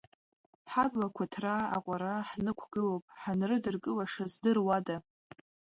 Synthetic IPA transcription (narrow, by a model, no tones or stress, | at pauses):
ħaɡakʷʰatʰraaqʷʼaɾaħnɨkʷʰɡ̥ɨlowpʼħanrɨdɨrkʼɨlaʂazdɨrwada